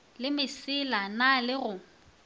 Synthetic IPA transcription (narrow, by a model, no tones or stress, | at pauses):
lɪmɪsɪlanalɪɣʊ